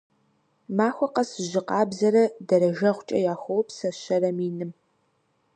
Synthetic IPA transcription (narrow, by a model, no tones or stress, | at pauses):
maːxʷɔqɐsɨʑɪqɑːbzɐɾɐdɐɾɐɣɐʁʷʊt͡ʃʼɐ̰jaːxʷɔwpsɐɕɐɾɐmiːnɨm